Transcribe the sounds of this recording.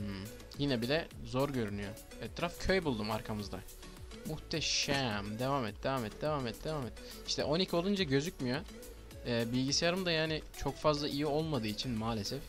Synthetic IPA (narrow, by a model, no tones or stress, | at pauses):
m̩ | jinɛbilʲɛzo̞ɾɟø̞ɾynyjo | ɛt̪ʰːɾafcʰø̞jbulˠd̪umaɾkʰamɯzd̪a̰ | muxt̪ʰɛʃæmd̪evaːmɛt̪̚d̪e̞vaːmɛt̪̚d̪e̞vaːmɛt̪̚d̪evamɛt̪ | iʃt̪ʰɛ̰ʔo̞nicʰio̞lˠund͡ʒaɟø̞zycmijo | ɛːbilʲɟisejaɾɯmd̪ajaːnɪt͡ʃʰo̞kfazlˠaʔijio̞lˠmad̪ɯːit͡ʃʰinmaːlʲesɛf